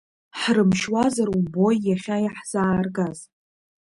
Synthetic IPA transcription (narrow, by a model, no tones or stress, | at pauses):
ħrɨmʃwazarubo̞jːaχʲajaħz̥aːrɡaz